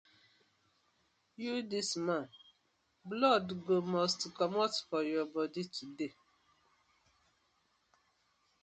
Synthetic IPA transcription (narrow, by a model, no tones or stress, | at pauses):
judismãn | blɔdɡomɔstkɔmatfɔjɔbɔditʰude